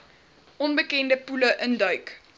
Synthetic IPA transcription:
ʔɔnbəkɛndəpuləʔəndœɥk

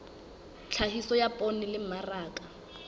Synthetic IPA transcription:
t͡ɬʰahisɔjapʼɔnɪlɪm̩maraːkʼa

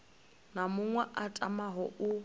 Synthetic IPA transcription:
namʊŋwɛʔatʼamaɦɔʔʊ

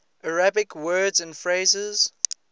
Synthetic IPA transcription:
ʔəɹabɪkʰwɜːdzə̃ndfɹeɪzɪz̥

